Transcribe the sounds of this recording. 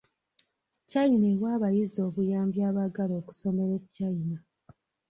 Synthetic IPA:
cːajineβwaːβajizo̞ːβujaːmbjaːβaɡalo̞ːku̥so̞me̞ɾecːaina

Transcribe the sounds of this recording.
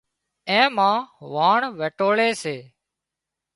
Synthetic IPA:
ẽːmãːʋaːɳʋeːʈoːɭeːseː

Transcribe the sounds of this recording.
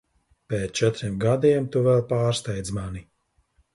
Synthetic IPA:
pɛːt̪t͡ʃɛt̪ɾimɡad̪iɛmt̪uvɛlˠpaːɾst̪ɛjd̪zmani

